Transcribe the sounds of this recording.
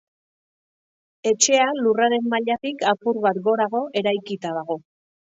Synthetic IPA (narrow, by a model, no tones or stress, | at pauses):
e̞t͡ʃe̞aluraɾe̞mːaʎat̪ikapurβat̪ɡo̞ɾaɣ̞o̞ʔe̞ɾajkit̪aðaɣ̞o̞